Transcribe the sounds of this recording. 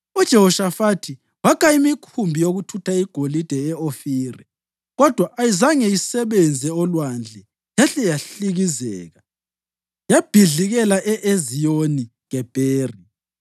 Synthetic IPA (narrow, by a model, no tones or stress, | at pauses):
ud̥ʒ̥ʱɛhɔʃafatʰi | wakʼaimikʰumbʱijoɣutʰutʰaiɡ̥ʱolid̥ʱɛɛofiːrɛ | ɣɔd̥ʱwaʔːjizaŋɛjisɛβɛnd͡zʱɛɔlwand͡ɮʱɛ | jaɬɛjaɬiɣizɛ̰ːɣa | jab̥ʱiɮiɣɛlaʔɛʔezijoniɣɛb̥ʱeːri